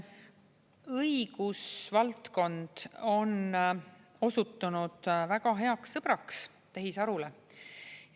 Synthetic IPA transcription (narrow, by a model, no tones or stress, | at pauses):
ɤiɡ̥usvɑlt̪ko̞nd̪̥o̞n | o̞sut̪ːˑunud̪̥væɡ̥ɑɦe̞ɑksːɤb̥ɾɑks | t̪eɦisɑɾule